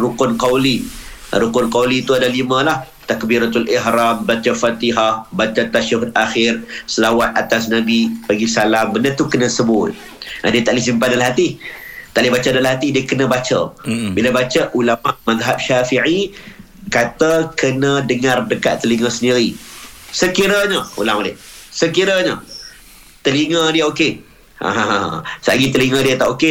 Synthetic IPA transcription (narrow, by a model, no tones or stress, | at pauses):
rukʊnkawlḭɾukʊnkawlit̪uadalimə̃lah | t̪ak̚biɾat̪aliɦɾambat͡ʃəfat̪iɦahbat͡ʃat̪aʃaɦut̪̚axɪrsəlawat̪̚ʔat̪as̬nãbipaɡisalambənət̪ukənə̃səbʊt̪̚ | ʔa̰diət̪aʔlis̬impandalaɦat̪it̪aʔlɪhbat͡ʃadalaɦat̪idiəkənə̃bat͡ʃəbilabat͡ʃəʔulamaʔmaðɦap̚ʃafiʕi | kat̪əkənədəŋardəka̰t̪ːəliŋəsəndiɾisəkiɾəɲəṵlamalɪʔsəkiɾəɲə | t̪əliŋədiəoke | a̰ɦasaʔɡit̪əliŋədiət̪aʔoke